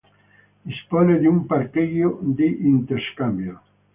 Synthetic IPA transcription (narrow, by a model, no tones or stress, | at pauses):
d̪ispɔned̪umpaɾkiɣjod̪iʔint̪eɾskambjo